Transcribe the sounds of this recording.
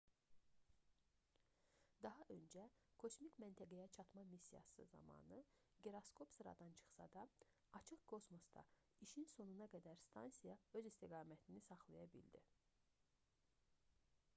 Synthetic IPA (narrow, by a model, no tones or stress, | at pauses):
d̪ɑɦɑʔø̞nd͡ʒækʰo̞smikʲmænt̪ʰæɡæjæt͡ʃʰɑt̪mɑmisːijɑ̰sɯ̰zɑ̰mɑ̰ːnɯ | ɡeɾoskʰo̞psɯɾɑ̰d̪ɑnt͡ʃʰɯ̥χsɑ̰d̪ɑː | t͡ʃʰɯχkʰo̞smo̞sd̪ɑ̰ | iʃinso̞nunɑɡæd̪æɾst̪ʰɑnsijɑø̞zist̪ʰiɡɑːmæt̪ʰinisɑχlˠɑjɑbḭld̪ḭ